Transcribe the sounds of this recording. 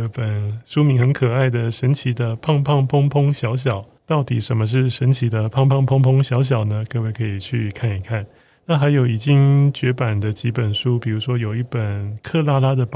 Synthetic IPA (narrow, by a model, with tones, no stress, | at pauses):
pə˨˩nʂu˥mi˧˥ŋxə˧˥nkʰɤ˨˩a˥˩ɪd̪ə˩ʂə˧˥nt͡ɕʰi˧˥d̪ə˧pʰɑ˥˧ŋpʰɑ˥˧ŋpʰʊ˥ŋpʰʊ˥ŋɕjɑ˧˥ʊɕ̬jɑ˨˩˦ʊt̪ɑ˥˩ʊt̪i˨˩ʂə˧˥nmə˧ʂ̬ɻ̩˥˩ʂə˧˥nt͡ɕʰi˧˥d̪ə˧pʰɑ˥˧ŋpʰɑ˥˧ŋpʰʊ˥˧ŋpʰʊ˥ŋɕjɑ˧˥ʊɕ̬jɑ˨˩ʊnə˦kɤ˥˧we˥˩ɪkʰɤ˧˥i˨˩t͡ɕʰy˥˧kʰa˥˩ni˨˩kʰa˥˩n | na˥˩xa˧˥ɪjo˨˩ʊi˨˩t͡ɕi˥ŋt͡ɕɥɛ˧˥pa˨˩nd̪ə˦t͡ɕi˧˥pə˨˩nʂu˥pi˨˩ɻu˧˥ʂwɔ˥jo˨˩ʊi˥˩pə˨˩nkʰɤ˥˧la˥la˥d̪ə˨p